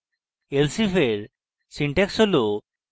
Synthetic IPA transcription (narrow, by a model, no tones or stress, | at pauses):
elsifeɾ | siɳʈeksolo